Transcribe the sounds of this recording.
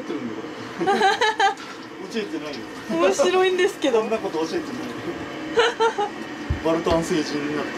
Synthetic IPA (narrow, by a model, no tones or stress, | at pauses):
t̪ːeɾɯ̃nd̪akoɾe | ot͡ɕet̪enaĩ | omoɕiɾo̞ĩnd̪e̞sɨ̥ke̞d̪oõnːakot̪oːt͡ɕet̪enaio | baɾɯ̟t̪ãñse̞ːʑĩnɡa